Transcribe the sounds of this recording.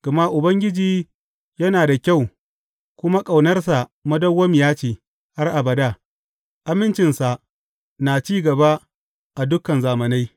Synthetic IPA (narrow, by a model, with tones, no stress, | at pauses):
ɡ̥ɐ˨ma˦ʔʊ˨bɐ˦ŋɡʲɪ˦d͡ʒiː˦ | jɐ˦naː˨da˨kʲa˦˨w | kʷʊ˦ma˦kʼa˨wnɐ˦rsa˨mɐ˦dɐ˦wːɐ˦mɪ˨jaː˦t͡ʃiː˨ | ha˦rʔa˨bɐ˨da˦˨ | ʔa˨mɪ˦nt͡ʃɪ˨nsa˨ʔ | naː˨t͡ʃiː˦ɡɐ˨ba˦ | ʔa˨dʊ˦kɐ˨nzaː˨mɐ˨na˦j